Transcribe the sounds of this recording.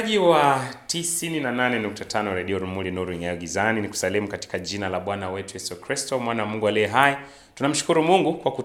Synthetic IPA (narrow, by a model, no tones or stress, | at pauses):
ʄiwatisininananɛnuk̚tatʰanɔɾɛɗiɔɾumulinuɾuiŋaɔɡizaniniku̥salɛmukati̥kaʄinalaɓwanawɛtujɛsukɾistɔmwanawamuŋɡualiɛɦajɛ | tunam̩ʃu̥kuɾumuŋɡukwaku